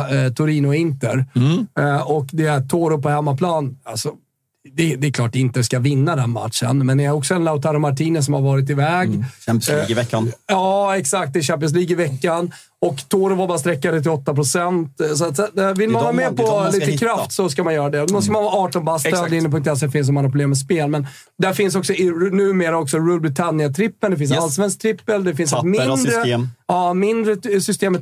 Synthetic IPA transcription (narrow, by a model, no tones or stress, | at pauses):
t̪ʰʊɾiːnʊɪnt̪əɾ | ɔkd̪ɛæt̪ʰoːɾʊpɔhɛmːapʰlɑːna̰lsɔ | d̪ɛd̪ɛɛkʰlɑːʈːɪnt̪əskavɪnːad̪ɛnma̰t̪ʂə̰nmɛnɛɾjaɔksɔɛnlaʊt̪ʰaɾʊmaʈʰiːnəs̬ɔmhaɾvɑːɾɪt̪̬ɪvɛːɡ | ɪvɛkːanjɑːɛksak̚t̪̚d̪ɛɕɛːmp̬ɪəns̬liːɡɪvɛkːan | ɔkt̪ʰoːɾəvaɾbɑːɾst̪ɾɛkːad̪ɛt̪ʰɪɔt̪ːapɾʊsɛnt̪sɔat̪saɛvɪlmmanhmɛpʰɔliːt̪əkʰɾaft̪sɔskamanjœːɾad̪ɛmɔskamanvɑːɑːʈɔnbasød̪ɪnːəp̬ʰɵŋk̚t̪ɛs̬dɛfɪns̬ɔmanapɾɔbleːmːɛs̬peːlmɛn | d̪æɾfɪns̬ɔksɔɪnʉ̟ːmeːɾaɔksɔɾulbɾɪt̪ʰanjat̪ʰɾɪpːənd̪ɛfɪns̬ɛnalsvɛnsk̚t̪ʰɾɪpːəld̪ɛfɪnsɛt̪mɪnd̪ɾəɑːmɪnd̪ɾəsʏst̪eːmət̪